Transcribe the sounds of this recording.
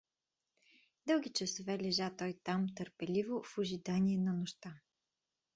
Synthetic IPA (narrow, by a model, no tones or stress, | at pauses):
d̪ɤwˠɡʲit͡ʃɐsovɛlɛʒat̪ɔjt̪amt̪əɾpɛlivofʊʒid̪aniɛnɐnoʃt̪a